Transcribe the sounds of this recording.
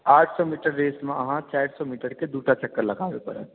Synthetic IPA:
aːʈʰsɔmiːʈəɾːeːsmẽɐɦãt͡ʃaːɪɾsɔmiːʈəɾked̪uːʈat͡ʃɐkːəɾlɐɡaːʋepɐ̰ɾɛ̰

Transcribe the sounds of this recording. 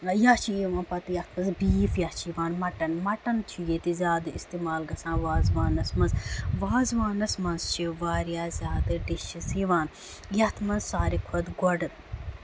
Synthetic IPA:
jat͡ʃʰiiʋãːnpɐt̪jɐht̪ʰmɐnzbiːfjɐt͡ʃʰiʋaːnmɐʈɐnmɐʈɐnt͡ʃ̪ʰujet̪izʲaːd̪ɨist̪iːmaːlɡɐsãːnʋaːzʋaːnɐsmɐnzʋaːzʋaːnɐsmɐnzt͡ʃʰiʋaːɾjaːzʲjaːd̪ɨɖiʃisiʋaːn | jɐht̪ʰmɐnzsaːɾikʰɐd̪ɡɔɖɨt̪

